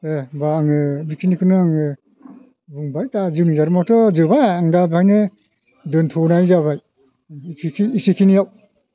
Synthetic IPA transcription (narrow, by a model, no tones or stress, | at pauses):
ebaːŋɯbikʰinikʰɯnɯŋɯ | buŋbajtazɯwnizaɾmatɔzɯbaaŋdabajnɯ | dɯntʰɔnajzabaj | kʰikʰiːsikʰinijaw